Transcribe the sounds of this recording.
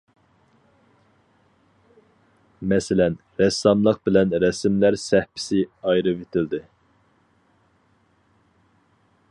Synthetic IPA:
mɛsɪlɛn | ɾɛsɑmlˠəqbɪlɛnɾɛsmlæɾsɛhpʰɪ̥sɪɑjɾɨvet̪ʰɪld̪ɪ

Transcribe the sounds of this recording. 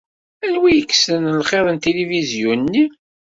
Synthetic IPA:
ænwijəkːsənlχeðˤənt̪elivizjunːi

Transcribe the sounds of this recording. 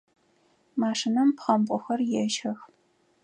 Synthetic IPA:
maːʂɪnɐmpχɐmpʷʼʊxɐrjɛʒɐx

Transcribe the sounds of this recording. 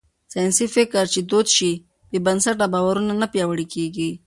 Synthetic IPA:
sajnsifɪkəɾt͡ʃed̪ot̪ʃi | b̥ebɐnsaʈabawaɾunanapjawəɽikeɡi

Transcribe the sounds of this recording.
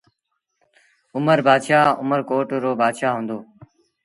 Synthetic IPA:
ʊməɾbʱaːd̪ʃaːʊməɾkoːʈɾoːbʱaːd̪ʃaːɦũːnd̪oː

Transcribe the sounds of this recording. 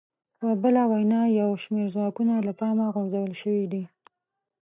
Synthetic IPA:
pəbəlawajnɑjawʃmeɾzwɑkunalapɑmaɣoɾzawəlʃəwid̪i

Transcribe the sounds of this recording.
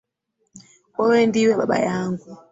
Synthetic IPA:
wɔwɛndiwɛɓa̰ɓa̰jaːŋɡu

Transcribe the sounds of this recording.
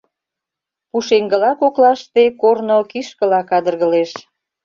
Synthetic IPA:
puʃeŋɡəlɑkoklɑʃt̪ekornokiʃkə̆lɑkɑd̪ə̆rɣə̆leʃ

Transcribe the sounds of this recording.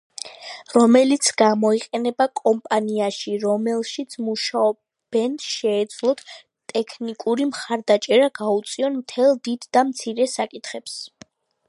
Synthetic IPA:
ɾɔmɛlit̪sʰɡ̥amɔiqʼɛnɛbakʼɔmpʼaniaʃiɾɔmɛlˠʃit̪sʰmuʃaɔ | b̥ɛnt̪ʃɛːd̪zlˠɔt̪ʰ | t̪ʼɛkʰnikʼuɾimχaɾd̪at͡ʃʼɛɾaɡaut̪sʼiɔnmt̪ʰɛlˠd̪id̪ːamt̪sʰiɾɛsakʼit̪χɛps

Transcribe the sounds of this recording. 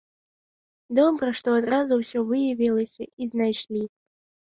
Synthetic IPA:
d̪ɔbɾəʂt̪ɔɐt̪razʊwsʲɔvɨjɐvʲilˠəsʲʔiznajʂlʲi

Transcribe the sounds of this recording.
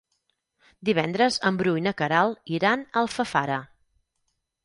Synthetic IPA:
d̪iβɛnd̪ɾəzəmbɾujnəkəɾalˠiɾanəlˠfəfaɾə

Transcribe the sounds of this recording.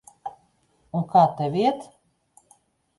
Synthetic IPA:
unkaːt̪ɛvʲiɛt̪

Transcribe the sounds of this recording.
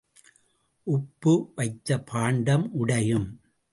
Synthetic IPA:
ʔʊpːɯʋɐɪt̪ːɐpʰaːɳɖɐmʔʊɽɐjɯm

